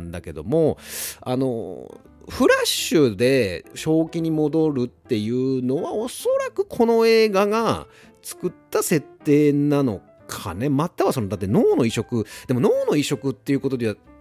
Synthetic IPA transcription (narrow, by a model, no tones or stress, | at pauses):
nd̪ake̞d̪o̞̰mo̞a̰no̞̰ | ɸɯ̟ɾaɕɨd̪e̞ɕo̞ːkʲiɲ̟imo̞d̪o̞ɾɯ̟t̪ːe̞jɯ̟ːno̞βao̞so̞ɾakɯ̟̥kʰo̞no̞e̞ːɡaɡa | t͡sɨ̥kɯ̟t̪ːase̞t̪ːe̞ːnano̞̰ | kʰa̰ne̞mat̪ːaβaso̞noat̪ːeno̞ːno̞iɕo̞kɯ̟d̪̥e̞mo̞no̞ːno̞iɕo̞kɯ̟t̪ːe̞jiɯ̟kot̪o̞d̪eβa